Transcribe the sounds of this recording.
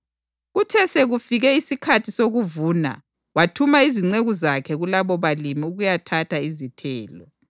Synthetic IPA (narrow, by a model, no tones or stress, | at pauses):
ɣutʰɛseɣufiɣɛisikʰatʰisoɣuvuːna̰ | watʰumaiziŋ͡ǀeɣuzakʰɛɣulaβɔβalimiuɣujatʰatʰaizitʰɛːlɔ̰